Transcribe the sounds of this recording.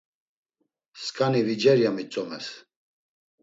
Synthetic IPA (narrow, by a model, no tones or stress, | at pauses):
skʰʼanivid͡ʒɛɾjamit͡sʼɔmɛ̰s